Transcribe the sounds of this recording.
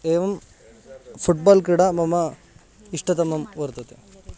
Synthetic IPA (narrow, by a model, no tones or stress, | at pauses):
eːʋɐm | pʰuʈ̚baːlkɾiɽamɐmɐ | iʂʈɐt̪ɐmːɐmʋoɾt̪ɐt̪e